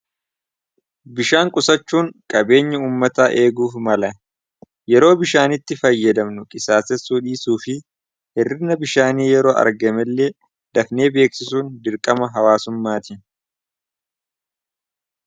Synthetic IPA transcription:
bɪʃaːŋkʼʊsɐt͡ʃːuːŋkʼɐbe̞ːɲːɐuːmːɐt̪aːʔe̞ːɡuːfmɐlɐ | jɛɾo̞ːbɪʃaːnɪt̪ːɪfɐjːɐd̪ɐmnʊkʼɪsaːsɛsuːᶑiːsuːfɪ | hɛrːɪnɐbɪʃaːniːjɛɾo̞ːʔɐ̰ɾɡɐmɛlːe | d̪̥ɐfne̞ːbe̞ːksɪsuːnd̪ɪɾkʼɐmɐɦɐwaːsʊmːaːt̪in

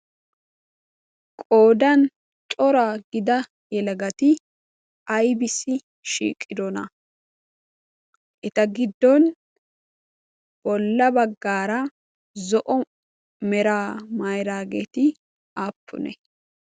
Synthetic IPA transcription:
kʼoːd̪ɐn | t͡ʃʼɔɾaɡɪd̪ɐ | jɛlɐɡɐt̪ɪ | ɐjbɪsɪ | ʃḭːkʼːɪd̪ɔnɐ | ʔɛt̪ɐɡɪd̪ːɔn | b̥ɔlːɐbɐɡːaːɾɐ | zɔʔɔ | mɛɾaːmɐjɾaːɡet̪ɪ | aːpʰːʊ̰nɛ̰

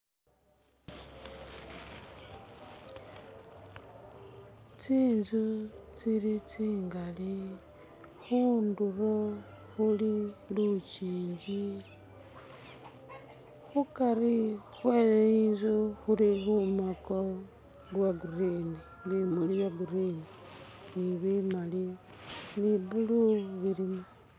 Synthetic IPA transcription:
t͡siːnzut͡siɾit͡siːŋɡali | xunduro | xulilut͡ʃiːɲd͡ʒi | xukaɾixweleinzuxulilumako | lwaɡurini | βimaliβjaɡuɾininiβimali | liβuluβiɾima

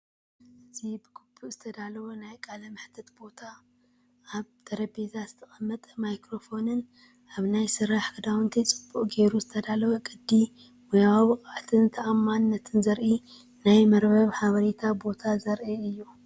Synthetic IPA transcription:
ʔɨzibɨɡubuʔz̥ɨt̪ʰɐd̪alɐβonajkʼalɐmɨħt̪ʰɐt̪bo̞t̪ʰa | ʔːβt̪ʰɐɾɐbezazɨt̪ʰɐxʼɐmːɐt̪ʼɐmajkɾo̞fo̞nɨn | ʔaβnajsɨɾaħɡʰɨd̪awɨnt̪ʰɐt͡sʼɨbːuʔʼɡe̞ɾuzɨt̪ʰɐd̪alɐβɐkʼɨd̪ːi | wɔjaaβɨkʼaʕt̪ʰɨnt̪ʰɐʔamːanːɐt̪ʰɨnzɐɾʔi | najmɐɾbɐβħaβɐɾet̪ʰabo̞t̪ʰazɐɾʔiɨjːu

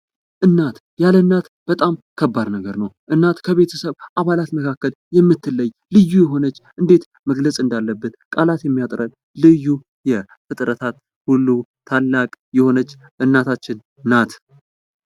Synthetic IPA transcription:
ʔɨnːat̪ | jalənːat̪b̥ət̪ʼamkʰəbːad̪nəɡəɾnəwʔɨnːat̪kʰəβe̞t̪ʰəsəβʔaβalat̪məkʰakːəl | jɛmːɨt̪ʰːɨlːəjːlɨjːujɛɦo̞nət͡ʃːʔɨnd̪e̞t̪ | məɡləsʼɨnd̪alːəbːɨt̪kʼalat̪jɛmːijat̪ʼɾən | lɨjːu | jɛ | fɨt̪ʼɾət̪ʰat̪ | hulːut̪ʰːalːakʼjɛho̞nət͡ʃː | ʔɨnːat̪ʰat͡ʃːɪnː | at̪

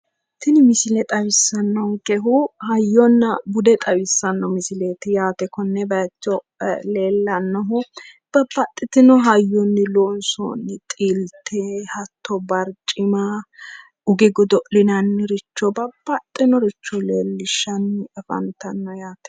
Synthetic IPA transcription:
t̪ɪnɪmɪsɪlɛt̪ʼɐwɪsːɐnːɔŋkɛɦʊhɐjːɔnːɐbʊd̪ɛt̪ʼɐwɪsːɐnːɔmɪsɪleːt̪ɪjaːt̪ɛkɔnːɛbɐt͡ʃːɔ | leːlːɐnːɔɦʊ | b̥ɐbːɐt̪ʼːɪt̪ɪnɔɦɐjːɔnːɪloːnso̰nːɪt̪ʼiːlt̪ʰehɐt̪ːɔbɐɾt͡ʃʼːɪmɐ | ʊɡɛɡɔd̪ɔʔlɪnɐnːɪɾɪt͡ʃːɔbɐbːɐt̪ʼːɪnɔɾɪt͡ʃːɔleːlːɪʃːɐnːɪɛfɐ̰nt̪ɐnːɔjaːt̪ɛ̥

